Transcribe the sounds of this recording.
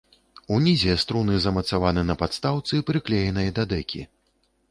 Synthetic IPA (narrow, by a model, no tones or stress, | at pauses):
unʲizʲɛst̪ɾunɨzɐmɐt̪savanɨnɐpat̪st̪awt̪sɨpɾɨklʲɛjɛnɐjɐd̪ad̪ɛkʲḭ